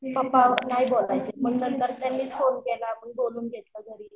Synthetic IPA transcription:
pəpaʋnajbolajt͡sem̤əɡt̪əɾt̪əɾt̪amːiːonkelaːpəɳboluːnɡʱet̪ləːɡʱəɾiːl

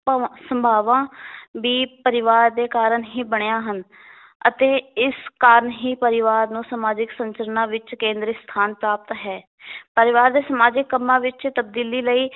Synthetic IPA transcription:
səmbʱaːʋãːʋiːpəɾɪʋaːɾd̪eːkaːɾənɦiːbəɳejãːɦən | ət̪eːɪskaːɾəɳɦiːpəɾɪʋaːɾnũːsəmaːd͡ʒɪksəɲt͡ʃəɾənãːʋɪt͡ʃkẽːnd̪ɾəst̪ʰaːnpɾaːp̚t̪ɦɛː | pəɾɪʋaːɾd̪eːsəmaːd͡ʒɪkːəmːãːʋɪt͡ʃt̪əb̚d̪iːliːləiː

